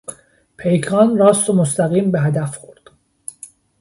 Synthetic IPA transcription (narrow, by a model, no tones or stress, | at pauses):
pʰe̞jkʰɒːnrɒːst̪omost̪æɣiːmbeɦæd̪æfxoɾd̪̥